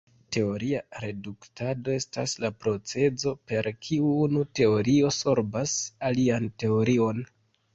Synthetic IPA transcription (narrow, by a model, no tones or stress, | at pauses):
te̞o̞ɾiaɾe̞duktado̞e̞sta̰slapɾo̞t͡se̞zo̞pe̞ɾkʰiuunute̞o̞ɾio̞so̞ɾbasaliante̞o̞ɾio̞n